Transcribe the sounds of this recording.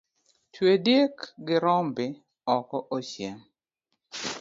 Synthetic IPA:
twedjekɡɪɾɔmbɪ | ɔkɔʔoʃjɛŋ

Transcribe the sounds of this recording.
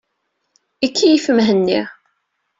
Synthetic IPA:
ikʰːijifəmɦənːiʁ

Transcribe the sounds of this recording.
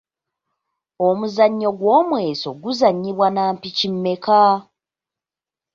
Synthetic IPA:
o̞muzaɲːo̞ɡwo̞ːmwe̞ːso̞̰ɡuzaɲːiβwanaːmpicimːe̞ka

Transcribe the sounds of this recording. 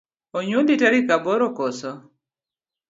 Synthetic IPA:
oɲolitaɾikabɔɾɔkɔsɔ

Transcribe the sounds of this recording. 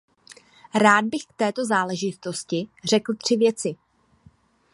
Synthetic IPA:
ɾaːd̪̚bɪxk̚t̪ɛːt̪o̞zaːlɛʒɪt̪o̞scɪr̝ɛkl̩t̪r̝̥ɪvjɛt͡sɪ

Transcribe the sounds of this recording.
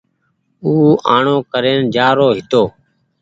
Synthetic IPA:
uːaːɳoːkəɾeːnd͡ʒaːɾoːɦɪt̪oː

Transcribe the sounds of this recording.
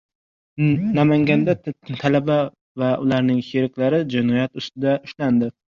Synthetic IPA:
namaŋɡʲand̪ɛt̪ʰalaba | vaʔʊlˠaɾnɪŋheɾɪkʲlaɾɪd͡ʒɪnɒjat̪ʊst̪ɪd̪ɛʊʃland̪ɪ

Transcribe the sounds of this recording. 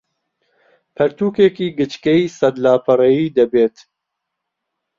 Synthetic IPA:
pʰɛɾt̪uːkeːkiːɡɨt͡ʃkɛjisɐd̪laːpʰɐɾɛjiːd̪ɐbeːt̪

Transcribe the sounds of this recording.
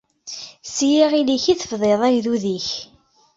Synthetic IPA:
sijiʁiliçiθəfðˤeðˤæʝðuðiç

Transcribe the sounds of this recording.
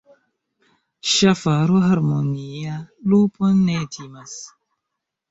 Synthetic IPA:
ʃafaɾoɦaɾmonialuponetʰimas

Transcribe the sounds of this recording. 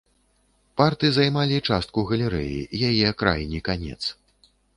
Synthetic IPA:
part̪ɨzajmalʲit͡ʂast̪̚kuɣɐlʲɛɾɛ̰jḭjajɛkɾa̰jnʲikanʲɛ̰t̪s

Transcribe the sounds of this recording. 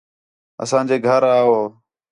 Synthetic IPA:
ə̰sãːd͡ʒeːɡʱəɾaːɦoː

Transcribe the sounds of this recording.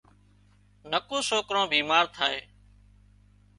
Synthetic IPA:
nəkõːsoːkɾõːbiːmaːɾt̪ʰaːɦeː

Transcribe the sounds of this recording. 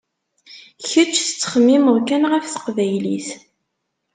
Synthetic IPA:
çət͡ʃːθə̥t͡sːə̥χəmːiməðˤkænʁəfθə̥qvæjlḭθ

